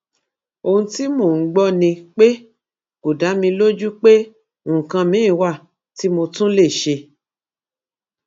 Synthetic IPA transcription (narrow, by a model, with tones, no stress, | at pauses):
o˧hũ˧ti˦mo˦˨ŋ̩˦ɡ͡bɔ˦nĩ˧k͡pe˦ | ku˨da˨˦mĩ˧lo˦d͡ʒu˦k͡pẽ˦˨ | kã˧mĩ˨˦ĩ˦wa˦˨ | ti˨˦mo˧tũ˦le˦˨ʃe˧